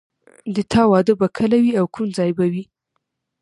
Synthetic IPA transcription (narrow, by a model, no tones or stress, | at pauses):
d̪ət̪ʰɑwɑd̪əbakʰəlawiawkʰumd͡zɑjbawi